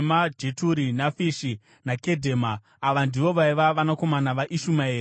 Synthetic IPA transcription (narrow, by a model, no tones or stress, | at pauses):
mad͡ʒe̞tuɾinafiʃi | nake̞dʱe̞maː | ʋandiʋo̞ʋaiʋaʋanako̞manaʋaʔiʃumae̞ːre